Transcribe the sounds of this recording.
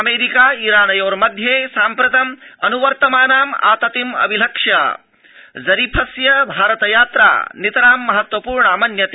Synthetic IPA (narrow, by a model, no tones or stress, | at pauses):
ɐmeːɾikaːiɾaːnɐjoːɾmɐd̪ʱjeːsaːmpɾɐt̪ɐmɐnuʋɐɾt̪ɐmaːnaːma̰ːt̪ɐt̪imɐ̰bilɐkʂja | zɐɾipʰɐsjɐbʱaːɾɐt̪ɐjaːt̪ɾa̰ːnit̪ɐɾaːmːɐɦɐt̪ʋɐpuːɾɳɐaːmɐnjɐt̪eː